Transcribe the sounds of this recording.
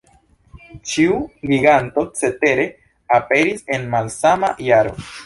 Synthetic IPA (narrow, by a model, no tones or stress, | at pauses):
t͡ʃiuɡiɡanto̞t͡se̞te̞ɾe̞ | ape̞ɾise̞nmalsama̰jaɾo̞̰